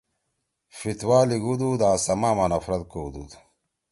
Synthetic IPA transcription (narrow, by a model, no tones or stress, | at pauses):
fit̪waːliɡud̪ud̪aːsɐmaːmɐnɐfɾɐd̪̚koːd̪ud̪u